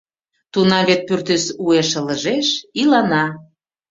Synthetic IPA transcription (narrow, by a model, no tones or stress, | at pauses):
t̪unɑβet̪̚pyrt̪esueʃələ̆ʒeʃilɑnɑ